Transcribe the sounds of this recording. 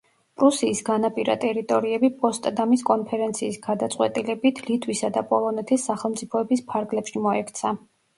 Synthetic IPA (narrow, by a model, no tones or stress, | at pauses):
pʼɾusiːsɡanapʼiɾa̰t̪ʼɛɾit̪ʼɔɾiɛbipʼɔst̪ʼd̪amiskʼɔnpʰɛɾɛnt̪sʰiːsɡad̪at̪sʼqʼwɛ̰t̪ʼilɛbit̪ʰlit̪ʰwisad̪apʼɔlˠɔnɛt̪ʰisːaχɛlˠmt̪sʼipʰɔɛbispʰaɾɡlɛpʃimɔɛkʰt̪sʰa